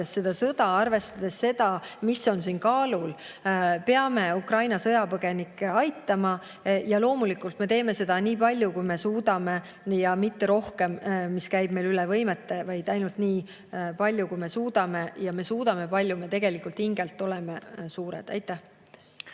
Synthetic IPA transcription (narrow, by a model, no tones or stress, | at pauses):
esse̞d̪̥ɑsɤd̪̥ɑɑrve̞st̪ɑd̪̥e̞sːe̞d̪̥ɑmisːo̞nsiːnkɑːlul | pe̞ɑme̞ukrɑjnɑsɤ̞jɑpɤɡ̥e̞nikːˑeɑjt̪ːˑɑmɑ | jɑlo̞ːmulikˑult̪me̞t̪e̞ːme̞se̞d̪̥ɑniːpɑlʲjukujme̞suːd̪̥ɑme̞ | jɑmit̪ːe̞ɾo̞hke̞mmːiskæjb̥̚me̞jlylɛvɤ̞jmet̪ːe̞vɑjd̪̥ɑjnult̪niː | pɑlʲjukujme̞suːd̪̥ɑme̞jɑme̞suːd̪̥ɑme̞pɑlʲjume̞t̪e̞ɡ̥e̞likːˑult̪hiŋɡ̥e̞lt̪ˑːo̞le̞mesuːɾḛd̪̥ɑ̰jt̪ːˑæh